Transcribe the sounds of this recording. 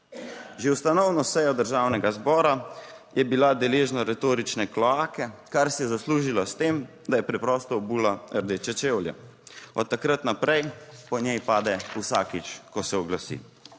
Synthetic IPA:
ʒewst̪anɔwnɔsɛjɔd̪əɾʒawnɛɡazbɔːɾa | jʔɛbilad̪ɛleːʒnaɾɛt̪oːɾit͡ʃnɛklɔaːkɛkaɾsɛjɛzasluːʒilast̪eːm | d̪ajɛpɾɛpɾɔst̪ɔːbuːlaəɾd̪et͡ʃɛt͡ʃewlja̰ | ɔt̪ːakɾat̪napɾɛjpɔɲjɛjpaːd̪ɛusaːkit͡ʃkɔsɛɔɡlasḭ

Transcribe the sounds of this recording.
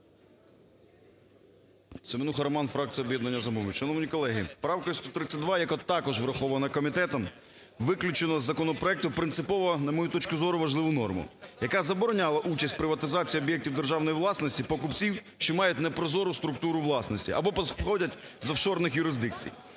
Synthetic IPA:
sɪmɪnuxɐɾmɑnfɾɑk̚t͡sʲijɔbʲjɛd̪nɐnʲːɐzɐmumʊʃɛnɔʋnʲikɔlˠɛɦɪpɾɑwkɔst̪ɔt̪ɾɪt͡sʲːɐt̪̚ʲd̪ʋɑjɐkɔt̪ɑkɔʒʋɾɐxɔʋɐnɐkɔmʲit̪ɛt̪ɔm | ʋɪklʲʊt͡ʃenɔzːɐkɔnɔpɾɔɛk̚t̪ʊpɾɪnt̪sɪpɔʋɔnɐmɔjut̪ɔt͡ʃkʊzɔɾʊʋɐʒlˠɪʋʊnɔrmʊ̰jɐkazɐbɔɾɔnʲalˠɐʔut͡ʃɐsʲtʲpɾɪʋɐt̪ɪzɑt͡sʲijiɔbʲjɛk̚tʲiwd̪erʒɑwnɔjiʋlˠɑsnɔsʲtʲipɔkʊpt͡sʲiwʃt͡ʃɔmɑjɛtʲnɛpɾɔzɔɾʊst̪ɾʊk̚t̪uɾʊʋlˠɑsnɔsʲtʲḭʔɐ̰bɔpɔxɔdʲɐtʲ | zɐfʃɔrnɪxjʊɾɪzd̪ɪk̚t͡sʲḭj

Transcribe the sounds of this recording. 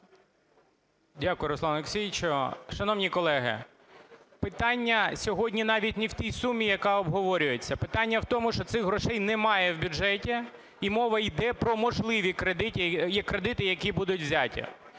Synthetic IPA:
dʲakʊjɾɔsˠɑneksʲijt͡ʃɔʃɐnɔʋwnʲikɔlˠɛɦɪ̰ | pɪt̪ɑnʲːɐsʲɔɦɔdʲnʲinɑʋʲitʲniwt̪ʲijsumʲːijɐkɑɔbɦɔʋɔɾʲʊjet͡sʲːɐpɪt̪ɑnʲːɐwt̪ɔmʊʃt͡ʃɔt̪sɪxɦɾɔʃɛjnɛmɑjɛwbʲʊʒɛtʲi | imɔʋɐjd̪ɛpɾɔmɔʒlˠɪʋʲikɾed̪ɪtʲjɛkːɾed̪ɪt̪ɪjɐkʲibud̪ʊtʲʋzʲatʲḭ

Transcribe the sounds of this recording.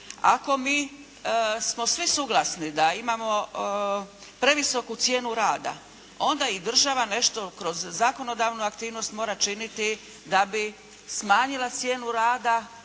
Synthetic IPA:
a̰ko̞miː | smo̞sʋisuɡlˠasnid̪aimamo̞ | pɾe̞ʋisokut̪sje̞ːnuɾaːd̪a̰ | o̞nd̪aid̪r̩ʒaʋane̞ʃt̪okɾo̞zːako̞no̞d̪aːʋnuakt̪iːʋno̞st̪mo̞ːɾat͡ʃinit̪i | d̪abi | smaːɲilat̪sje̞ːnuɾaːd̪a

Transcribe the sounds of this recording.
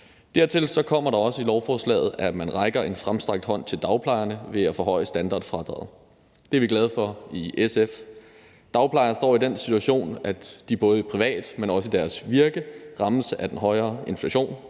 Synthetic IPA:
d̥æɐ̰t͡sʰe̝lsɒ̽kʰɒ̽m̰ɐɾɑ̈ɒ̽səilɒʊfɒːslɛ̰ːð̩ˠæmænʁɑ̈ɪɡ̥ɐʔe̝nfʁamsd̥ʁɑ̈ɡ̥̚d̥hɒ̽n̰t͡sʰe̝ld̥ɑ̈ʊpʰlɑ̈ɪɐnəʋe̝æfɔ̽ːɦɒ̽ɪəsd̥ænd̥ɑ̰̈ːd̥fʁɑ̈d̥ʁɑ̰ːð̩ˠ | d̥e̝ɐʋiɡ̥lɛð̞ˠfɒ̽iʔesef | d̥ɑ̈ʊpʰlɑ̈ɪɐsd̥ɒ̰ːid̥ensit͡sʰuæɕo̝̰ːnæd̥ib̥ɔ̽ːð̞̩ˠipʰʁiʋɛ̰ːd̥menɒ̽səid̥æɐsʋiɐɡ̥əʁɑ̈ml̩səʔæd̥enɦɒ̽ɪɐːe̝nflæɕo̝̰ːn

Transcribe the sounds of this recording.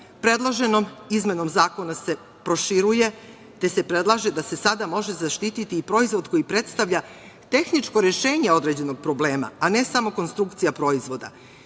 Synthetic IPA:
pɾe̞d̪lˠoʒe̞no̞mizme̞no̞mzaːko̞nase̞ | pɾo̞ʃiɾuje̞ | t̪e̞se̞pɾe̞d̪lˠaʒe̞d̪ase̞sad̪amo̞ʒe̞zaʃt̪it̪it̪iːpɾo̞izʋo̞d̪ko̞jipɾe̞t̪st̪aʋʎʲa | t̪e̞xnit͡ʃko̞ɾeʃe̞ːɲe̞o̞d̪ɾe̞d͡ʑe̞no̞ɡ̚pɾo̞ble̞ːma̰ːne̞samo̞ko̞nst̪ɾukt̪sijapɾo̞izʋo̞d̪a̰

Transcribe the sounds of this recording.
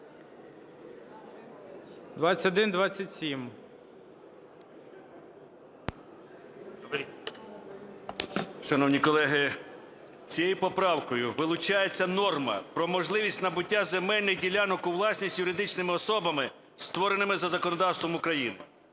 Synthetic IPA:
d̪ʋat͡sʲɐtʲɔd̪ɪnd̪ʋɑt͡sʲːɐtʲsʲim | ʃɐnɔwnʲikɔlˠɛɦɪ | t͡sʲijejipɔpɾɑwkɔjʊʋɪlˠʊt͡ʃɑjet͡sʲːɐnɔrmɐ̰pɾɔmɔʒlˠɪʋʲisʲtʲnɐbʊtʲːazemɛlʲnɪjdʲilʲanɔkʊwlˠɑsʲnʲisʲjʊɾɪd̪ɪt͡ʃnɪmɪɔsɔbɐmɪ | st̪ʋɔɾenɪmɪzɐzɐkɔnɔd̪ɑwst̪ʋɔmʊkɾɐjinɪ̰

